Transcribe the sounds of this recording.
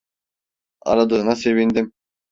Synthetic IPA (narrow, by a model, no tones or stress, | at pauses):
ɑ̰ɾad̪ɯːnase̞vind̪im